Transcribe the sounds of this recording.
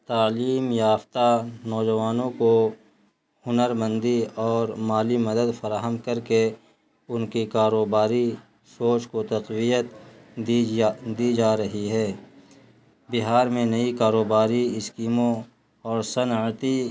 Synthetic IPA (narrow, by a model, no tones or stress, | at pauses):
t̪aːliːmjaːft̪anɔːd͡ʒəʋaːnõko | hʊnəɾmə̃nd̪iɔːɾmaːlimɐd̪əd̪fɐɾaːɦəmkəɾke | ʊnkikaːɾoːbaːɾi | soːt͡ʃkot̪ɐqwijət̪ | d̪iːd͡ʒaːɾɐɦiɦɛː | bɪɦaːɾmẽnɐikaːɾoːbaːɾiɪskiːmõ | ɔːɾsənət̪i